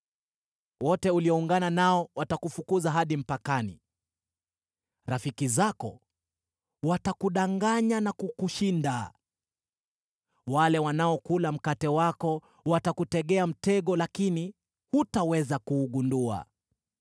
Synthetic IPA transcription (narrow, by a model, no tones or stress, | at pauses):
wɔtɛuliɔuŋɡananaɔwatakufukuzaɦaɗim̩pakanḭ | ɾafikizakɔ̰ | watakuɗaŋɡaɲanakukuʃinda | walɛwanaɔkulam̩katɛwakɔ | watakutɛɠɛam̩tɛɠɔlakini | hutawɛzakuːɠundua̰